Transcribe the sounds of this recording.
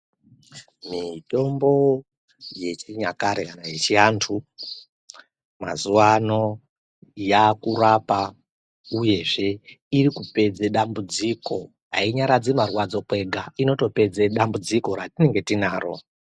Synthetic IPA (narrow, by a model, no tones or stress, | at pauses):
mito̞mbo̞ | je̞t͡ʃiɲakaɾekanajet͡ʃiantʰu | ma̰zuwano̞ | jakurapa | uje̞ʐe̞ | iɾikupe̞d͡zeɗambud͡ziko̞ | ɦa̰iɲaɾad͡zemarwad͡zo̞kwe̞ɡʱaino̞to̞pe̞d͡zeɗambud͡ziko̞ɾatine̞ŋɡe̞tinaːɾo̞̰